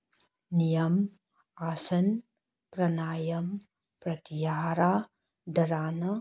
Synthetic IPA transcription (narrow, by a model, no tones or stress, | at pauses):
nijɐm | aːsɐn | pɾɐnaːjɐm | pɾɐt̪ijaːɾaː | d̪ɐɾaːnɐ